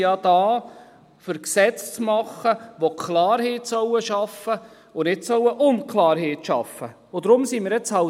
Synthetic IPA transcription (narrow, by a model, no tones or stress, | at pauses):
jɑd̥ɑː | fəɾksɛt͡st͡smɑχəʋokʰlɑːɾheːtsœwəʃɑfə | ʊnɪtsœwəʔʊnkʰlɑːɾɦeːtʃɑ̰fə | ʊd̪ɾʊmsiːmɪːɾjɛt͡shɑ